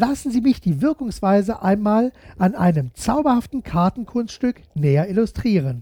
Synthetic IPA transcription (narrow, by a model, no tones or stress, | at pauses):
lasn̩ziːmɪçd̥iːvɪɐkʊŋsv̥aɪzəʔaɪnmaːlʔanʔa̰ɪnəmt͡saʊbɐhaftn̩kʰaɐtn̩kʰʊnstʃtʏk | nɛːɐɪlʊstʁ̥iːʁ̞ən